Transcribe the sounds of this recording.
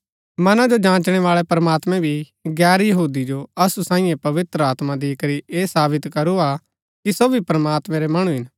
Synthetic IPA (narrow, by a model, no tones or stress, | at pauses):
mɐnãd͡ʒod͡ʒãːt͡ʃɽ̃ɛʋaːɭɛpɾɐmaːt̪mɛ̃bʱi | ɡɛːɾjɐɦuːd̪id͡ʒoɐsusãːĩjẽpɐʋɪt̪ɾəaːt̪mad̪iːkəɾiʔeːsaːbɪt̪kɐɾua | kisoːbʱipɾɐmaːt̪mɛ̃ɾɛmɐɽ̃ũɦɪn